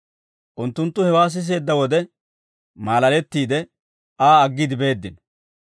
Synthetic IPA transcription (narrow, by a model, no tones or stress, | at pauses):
ʔʊnt̪ːʊnt̪ːʊhɛwaːs̬ɪs̬e̞ːd̪ːɐwɔd̪ɛ | maːlɐlɛt̪ːiːd̪ɛ | aːɐɡːɪd̪ɪbe̞ːd̪ːɪn